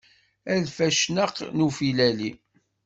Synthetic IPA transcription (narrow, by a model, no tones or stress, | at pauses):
ælfæʃnəqnufilæli